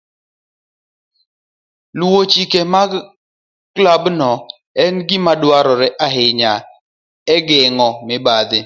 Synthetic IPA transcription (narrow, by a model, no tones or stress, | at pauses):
luwot͡ʃikemaɡ | klabnɔ | ɛnɡɪmadwaɾɔɾɛʔaɦɪɲa | ɛɡɪŋɔmɪbad̪ɪ